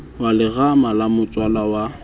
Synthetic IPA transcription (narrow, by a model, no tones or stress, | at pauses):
walɪɣamalamʊt͡sʼwalawa